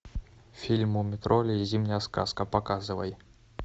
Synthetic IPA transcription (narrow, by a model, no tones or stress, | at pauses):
fʲilʲmʊmʲɪt̪ɾolʲɪzʲimnʲəjəska̰skəpɐkazɨvəj